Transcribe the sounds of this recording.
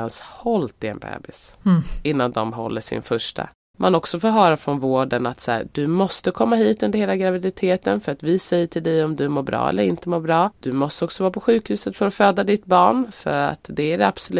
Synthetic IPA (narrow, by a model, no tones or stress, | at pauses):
anshɔlt̪ɪɛ̰nbɛ̰ːbɪsɪnːand̪ɔmɦɔ̰lːəʂɪ̰nfœʂʈʰa̰ | mʔanɔksɔfoːɾɦœːɾafɾɔnvoːɖənat̪sæ̰ːd̪ɵmɔst̪əkʰɔmːaɦiːt̪ɵnd̪əɾheːlaɡɾavɪd̪ɪt̪ʰeːt̪ənfœɾat̪vɪsɛjːəʈʰɪld̪ɛjɔmd̪ɵmoːɾbɾɑ̰ːɛ̰lːəɾɪnt̪əmoːɾbɾɑːd̪̥ɵmɔst̪əɔksəɔvɑːɾpʰɔɧʉ̟ːkhʉ̟ːsət̪fœɾɔføːd̪ad̪ɪt̪bɑːɳfœ̰ɾa̰t̪d̪ɛæɾɛab̥sl